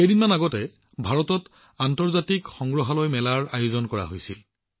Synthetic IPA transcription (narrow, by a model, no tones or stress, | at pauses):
ejdinmanaɡɔtɛ | bʱaɹɔtɔt | antɔɹzatikxɔŋɡɹɔɦalojmɛlaɹajuzɔnkɔɹa̰ɦojsil